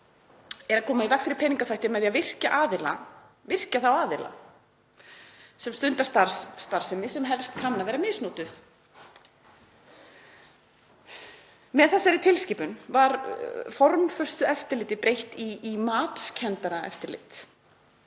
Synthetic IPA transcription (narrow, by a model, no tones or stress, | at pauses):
ɛɾakʰɔːmaikakfɪɾɪɾpʰɛniŋkaθajht̪ɪmɛðjavɪr̥caʔaːðɪla̰ | vɪr̥caθawaːðɪla̰ | sɛmst̪ʏnt̪aɾst̪aɾ̥sːt̪aɾ̥sɛmːɪsɛmɦɛlst̪kʰanːavɛːɾamɪsnuːt̪ʏθ | mɛðθɛsːaɾɪt̪ʰɪlsciːpʏnvaɾfɔɾmfœ̥st̪ʏɛft̪ɪɾlɪːt̪ɪpɾejht̪iːmaːt̪scʰɛnt̪aɾaɛ̰ft̪ɪɾlɪ̰ːt̪